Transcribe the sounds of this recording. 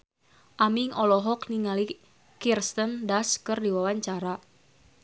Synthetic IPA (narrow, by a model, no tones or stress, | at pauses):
ʔamiŋɔlɔɦɔkniŋali | kirst̪əndaskɨrdiwawaɲt͡ʃaɾa